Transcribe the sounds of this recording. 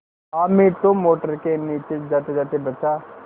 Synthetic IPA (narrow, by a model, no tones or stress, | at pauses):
aːmit̪omoːʈəɾkeniːt͡ʃed͡ʒaːt̪ed͡ʒaːt̪ebɐt͡ʃa